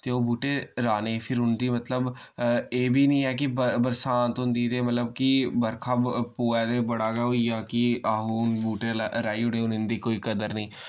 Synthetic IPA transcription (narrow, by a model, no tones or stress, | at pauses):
t̪eːoːbuːʈeːɾaːneːpʰɪɾʊnd̪iːmət̪ləb | eːbʱiːnĩːɛːk̬ɪbəbəɾsaːnt̪ʊnd̪iːt̪eːmət̪ləb̚kɪbəɾkʰaːpoːɛːd̪eːbəɽaːɡɛːoijaːkɪaːɦuːnbuːʈeːɾaːiːʊɽeːʊnɪnd̪iːkoːiːkəd̪əɾnĩː